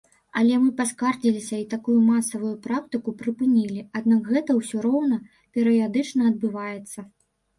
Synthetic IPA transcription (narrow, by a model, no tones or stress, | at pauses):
ɐlʲɛmɨpaskard͡zʲilʲisʲɐit̪akujumasɐvujupɾak̚t̪ɨkupɾɨpɨnʲilʲiad̪̚nakɣɛt̪ɐwsʲɔɾɔwnɐ | pʲɛɾɨjad̪ɨt͡ʂnɐɐd̪̚bɨvajɛt̪sːɐ